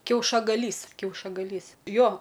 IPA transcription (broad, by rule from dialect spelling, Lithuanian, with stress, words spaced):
kʲɛʊʃɐɡɐˈlʲiːs kʲɛʊʃɐɡɐˈlʲiːs ˈjoː